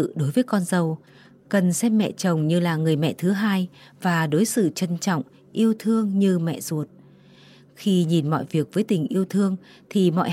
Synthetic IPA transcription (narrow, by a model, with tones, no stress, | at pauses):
ɨ̰˧˨ɗo˨˦jvəː˨˦jkɔ˧nzə˨˩w | kə˨˩nsɛ˧mːɛ̰˧˨t͡ɕə˨˩wŋ͡mɲɨ˧laː˨˩ŋɨ˨˩əjmɛ̰˧˨t̪ʰɨ˨˦ɦaː˧j | vaː˨˩ɗo˨˦jsɨ̰˧˨t͡ɕə˧nt͡ɕɔ̰˧˨wŋ͡m | ʔi˧əwt̪ʰɨ˧əŋɲɨ˧mɛ̰˧˨z̥u˨˩ət̚ | xi˧ɲi˨˩nmɔ̰˧˨jvi˨˩ək̚vəː˨˦jt̪ï˨˩ŋ̟ʔi˧əwt̪ʰɨ˧əŋ | t̪ʰi˨˩mɔ̰˧˨